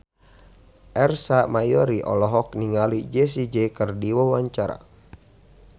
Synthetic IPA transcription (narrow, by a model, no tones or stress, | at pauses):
ʔɛrsamajɔɾiʔɔ̰lɔɦɔk̚niŋalid͡ʒɛs̬id͡ʒɛkərdiwɔwaɲt͡ʃaɾa̰